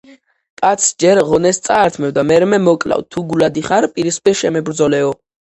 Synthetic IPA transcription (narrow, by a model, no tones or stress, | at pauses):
tʼat̪sʰd͡ʒɛɾʁɔnɛst̪sʼaːɾt̪ʰmɛvd̪amɛɾɛmɛmɔkʼla̰wt̪ʰuɡulad̪iχaɾpʼiɾispʼɛʃɛmɛbɾd̪zɔlɛɔ